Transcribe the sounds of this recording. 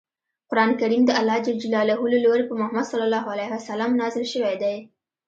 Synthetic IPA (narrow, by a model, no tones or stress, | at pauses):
qʊɾɑnkaɾimd̪əalːɑd̪əd͡ʒilɑlahuloloɾepəmʊhamad̪sɑlːalːɑɦoalahwasalɑmnɑzɪlʃəwajd̪aj